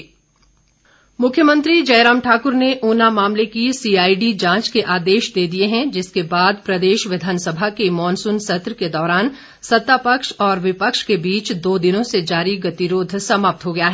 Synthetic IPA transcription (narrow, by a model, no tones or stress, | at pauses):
mʊkʰjəmə̃nt̪ɾid͡ʒɐːɾaːmʈʰaːkʊɾneʔoːnamaːmlekisiːaːiɖid͡ʒãːt͡ʃkeʔaːd̪eːʃd̪eːd̪ieɦɛ̃d͡ʒɪskebaːd̪pɾɐd̪eːʃʋɪd̪ʱaːnsɐbʱakemɔːnsʊnsɐt̪ɾked̪ɔːɾaːn | sɐt̪ːapəkʃɔːɾʋɪpəkʃkebiːt͡ʃd̪oːd̪ɪnõsed͡ʒaːɾiɡɐt̪iɾoːd̪ʱsɐmaːp̚t̪ɦoɡɐjaɦɛː